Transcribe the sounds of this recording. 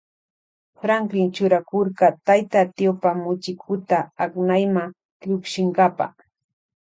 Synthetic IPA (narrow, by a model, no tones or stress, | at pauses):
fɾaŋkɾɪnt͡ʃʊɾakoɾɢɑt̪ajt̪at̪jopamʊt͡ʃɪkʰʊt̪aaknajmaŋ | ʎʊkʃɪŋɢɑpa̰